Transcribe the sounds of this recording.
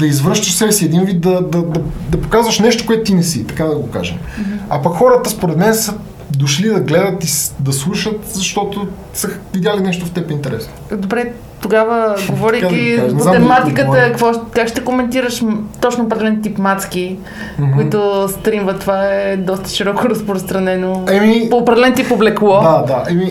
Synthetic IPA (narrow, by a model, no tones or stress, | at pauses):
d̪ɐizvəɾʃt̪əʃsɛbɛsiɛd̪invit̪̚d̪ɐd̪ɐd̪ɐd̪ɐpo̥kazvɐʃnɛʃt̪o̥koɛt̪ʊt̪inɛsit̪ɐkad̪ɐɡoka̰ʒɛ̰mɐpɐkxɔɾət̪əspoɾɛt̪mɛnsə | d̪oʃlid̪ɐɡlɛd̪ət̪id̪ɐslˠuʃət̪zɐʃt̪ɔt̪o | səxvid̪jalinɛʃt̪oft̪ɛpint̪ɛɾɛsnod̪obɾɛ | t̪oɡavəɡovɔɾiadkiazat̪ɛmat̪ikət̪əkkvɔkakʃt̪ɛkomɛnt̪iɾəʃt̪ɔt͡ʃnoopɾd̪ɛlɛnt̪ipmat̪ski | koikt̪ʊst̪ɾimvət̪ːovaɛd̪ɔst̪ə̥ʃiɾɔkʊɾɐspɾost̪ɾɐnɛnoɛmipopɾɛd̪ɛlɛnt̪ipoblɛklˠɔd̪ad̪aʔɛmi